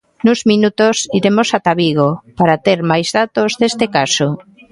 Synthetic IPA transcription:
nuzminut̪osiɾemosat̪aβiɣ̞opaɾat̪eɾmajzðat̪ozðest̪ekaso

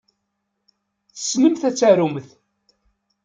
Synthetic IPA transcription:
θə̥snəmθæt͡sːæɾuməθ

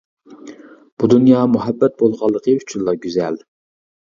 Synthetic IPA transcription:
b̥ud̪unjɑːmuɦɛbːɛt̪̚bolˠʁɑlˠːəqʰəyt͡ʃʰynlːˠɑɡʲyzɛl

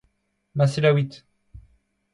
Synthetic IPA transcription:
maselawit̪

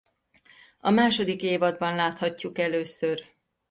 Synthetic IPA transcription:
ɒ̰maːʃo̞d̪ikeːvɒd̪̚bɒnlaːt̪hɒcːukɛløːsør

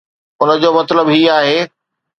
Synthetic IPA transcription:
ʊnə̆d͡ʑoːmɐt̪ləbɦiːaːɦeː

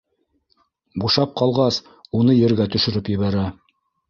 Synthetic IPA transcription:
buʃɑp̚qɑlˠʁɑs | unɤjɘ̆ɾɡæt̪ɵ̆ʃɵ̆ɾɵpjɘ̆βæɾæ

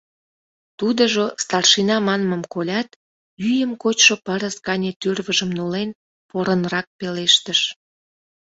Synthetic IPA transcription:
t̪ud̪əʒost̪ɑrʃinɑmɑnməmkolʲɑt̪ | yjəmkot͡ɕʃopəɾəskɑnʲet̪yrβəʒəmnolen | poɾənrɑk̚peleʃt̪əʃ

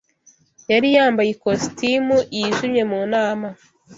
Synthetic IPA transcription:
jaɾijaːmbajikostimuʔiiʒumɲe̞muːnaːma

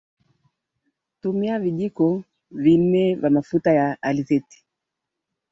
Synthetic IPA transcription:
tumiaviʄikɔ | vin̩ɛvamafutajaalizɛti̥

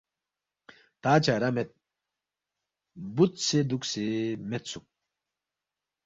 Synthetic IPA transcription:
t̪aːt͡ɕaɾamet̪̚ | but̪sed̪uksemet̪suk̚

